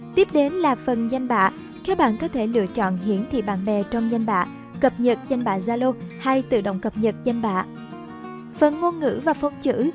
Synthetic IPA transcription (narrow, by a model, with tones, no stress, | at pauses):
t̪i˦˥p̚ɗe˨˦nlaː˨˩fə˨˩nza˧jŋ̟ɓa̰ː˧˨ | kaː˨˦˥ɓa̰ː˧˨nkɔ˨˦t̪ʰe˧˩lɨ̰˧˨ət͡ɕɔ̰˧˨nɦi˧˩ənt̪ʰḭ˧˨ɓa̰ː˧˨nɓɛ˨˩t͡ɕɔ˧wŋ͡mza˧jŋ̟ɓa̰ː˧˨ | kə˨˩p̚ɲə˨˩t̚za˧jŋ̟ɓa̰ː˧˨zaː˧lo˧ha˧jt̪ɨ̰˧˨ɗo̰˧˨wŋ͡mkə˨˩p̚ɲə˨˩t̚za˧jŋɓa̰ː˧˨ | fə˨˩nŋo˧nŋɨ̰˧˥vaː˨˩fə˨˧wŋ͡mt͡ɕɨ̰˧˥